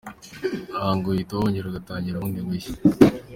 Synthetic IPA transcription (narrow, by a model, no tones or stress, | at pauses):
ahaːŋɡojitooɲɟeɾaɡataːɲɟiɾauːndimwiːsi